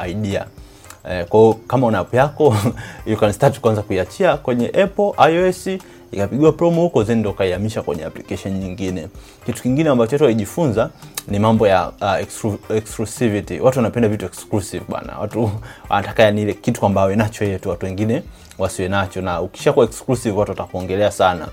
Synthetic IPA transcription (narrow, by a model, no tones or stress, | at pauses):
aiɗia̰ | kwaiɔkamaunaapujakɔjukanistati̥kwanzakuiat͡ʃiakwɛɲɛʔɛpɔʔajɔɛsi | ikapiɠiwapɾɔmɔhukɔzɛndɔukaiamiʃakwɛ̰ɲɛ̰a̰plikɛʃɔnɲiŋɡinɛ | kitu̥kiŋɡinɛambat͡ʃɔatuwaliʄifunzanimambɔjaɛksuɛksklusivitḭwatuwanapɛndavituɛksklusivɓa̰na̰watuwa̰natakajaniilɛkitu̥kwambaawɛnat͡ʃɔjɛjɛtuwatuwɛŋɡinɛ | wasiwɛnat͡ʃɔnauki̥ʃakuwaɛksklusivwatuwatakuɔŋɡɛlɛasana̰